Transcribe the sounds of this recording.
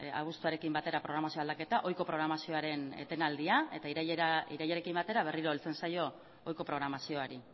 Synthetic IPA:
a̰ɣ̞ust̪uaɾe̞kimbat̪e̞ɾapɾo̞ɣɾamasioald̪ake̞t̪aʔo̞jko̞pɾo̞ɣ̞ɾamasio̞aɾe̞n̰t̪e̞nald̪iae̞t̪aiɾajiɾajaɾe̞kimbat̪e̞ɾaβ̞e̞riɾolt͡se̞nsajo̞ | ojko̞pɾo̞ɣ̞ɾamasio̞aɾi

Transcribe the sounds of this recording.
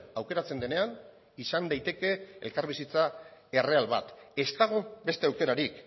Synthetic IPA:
awke̞ɾat͡se̞nd̪e̞ne̞an | isand̪ajt̪e̞ke̞ḛlkaɾβisit͡sae̞re̞alβa̰t̪e̞st̪aɣ̞o̞be̞st̪e̞awke̞ɾaɾik

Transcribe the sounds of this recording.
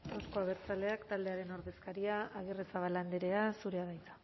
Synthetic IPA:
awsko̞aβ̞e̞ɾt͡sale̞akt̪ald̪e̞aɾe̞no̞ɾðe̞skaɾiaaɣ̞eresaβ̞aland̪eɾe̞asuɾe̞aðajt͡s̪ḁ

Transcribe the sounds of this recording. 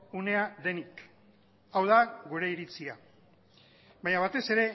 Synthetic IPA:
une̞aðe̞nik | awð̞aɣuɾe̞iɾit͡sia | baɲaβ̞at̪e̞se̞ɾe̞

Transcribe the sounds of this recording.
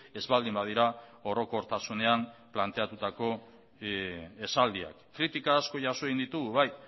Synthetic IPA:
e̞zβald̪imbað̞iɾao̞ɾo̞ko̞ɾt̪asune̞amplant̪e̞at̪ut̪ako̞ | e̞sald̪ia̰kːɾit̪ikaːsko̞ʝaso̞eɣinit̪uɣuβaj

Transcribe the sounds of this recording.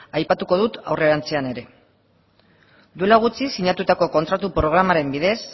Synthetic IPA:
ajpat̪uko̞ðut̪a̰wre̞ɾant͡se̞ane̞ɾe̞ | d̪ue̞laɣ̞ut͡sisiɲat̪ut̪ako̞ko̞nt̪ɾat̪upɾo̞ɣ̞ɾamaɾe̞mbiðe̞s

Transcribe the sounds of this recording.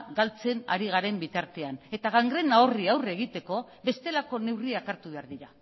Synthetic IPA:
ɡalt͡se̞na̰ɾiɣ̞aɾe̞mbit̪aɾt̪e̞ane̞t̪aɣaŋɡɾe̞nao̞riawre̞ɣ̞it̪e̞ko̞βe̞st̪e̞lako̞ne̞wriakaɾt̪uβe̞aɾðiɾa

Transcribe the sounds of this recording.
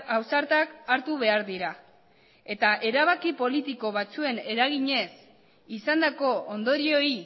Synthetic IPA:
awsaɾt̪akaɾt̪uβe̞aɾðiɾa | e̞t̪aʔe̞ɾaβ̞akipo̞lit̪iko̞βat͡sue̞ne̞ɾaɣiɲe̞s | isand̪ako̞ond̪o̞ɾio̞i

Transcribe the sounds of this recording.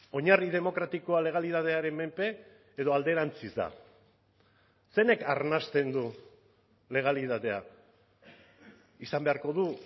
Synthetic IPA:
o̞ɲarið̞e̞mo̞kɾat̪iko̞ale̞ɣ̞aliðaðe̞aɾe̞mme̞mpe̞ː | ð̞o̞ald̪e̞ɾant͡sizd̪a̰ | se̞ne̞kaɾnast̪e̞nd̪u | le̞ɣ̞alit̪aðe̞a | isambe̞aɾko̞ð̞u

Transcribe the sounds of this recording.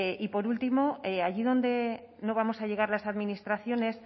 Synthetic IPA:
ʔipo̞ɾult̪imo̞eaʝiðo̞nd̪e̞ | no̞βamo̞saʎe̞ɣ̞aɾlasaðminist̪ɾaθjo̞ne̞s

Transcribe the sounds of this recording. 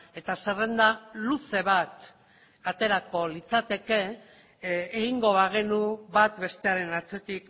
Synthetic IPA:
e̞t̪asere̞nd̪aluse̞β̞at̪ | at̪e̞ɾako̞lit͡sat̪e̞ke̞ | eɣiŋɡo̞βaɣ̞e̞nuβat̪be̞st̪e̞aɾe̞nat͡se̞t̪ik

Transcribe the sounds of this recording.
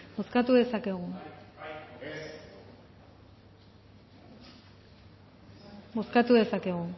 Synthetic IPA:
bo̞skat̪uðe̞sake̞ɣu | bo̞skat̪uðe̞sake̞ɣu

